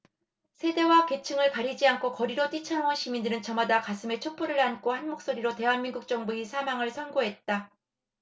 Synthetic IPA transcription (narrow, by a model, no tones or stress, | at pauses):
sʰe̞de̞wake̞t͡ɕʰɯŋɯɭkaɾid͡ʑiankʰokʌɾiɾot͈it͡ɕʰanoŋonɕʰimindɯɾɯnt͡ɕʌmadakasʰɯme̞t͡ɕʰop͈ʰuɾɯɭank͈ʰohanmok̚s͈oɾiɾote̞ɦanmiŋɡuk̚t͡ɕ͈ʌŋbuisʰamaŋɯɭsʰʌnɡoɦe̞t̚t͈a